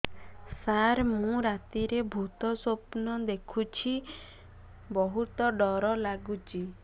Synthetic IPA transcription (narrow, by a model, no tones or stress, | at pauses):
saɾmũɾat̪iɾebʱut̪ɔsopnɔd̪ekʰut͡ʃʰi | bɔɦut̪ɔɖɔɾɔlaɡut͡ʃʰi